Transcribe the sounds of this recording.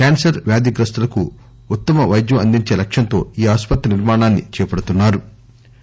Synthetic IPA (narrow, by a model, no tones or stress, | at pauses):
kaːnsɐɾʋjaːd̪iɡɾɐst̪ɐlɐku | ut̪ːɐmɐʋɐjd̪jɐɐnd̪iɲt͡ʃe̞ːlɐkʂjɐnt̪o̞ːiːaːspɐt̪ːɐniɾmaːɳaːnːit͡ʃɛːpɐɽut̪unːaːɾu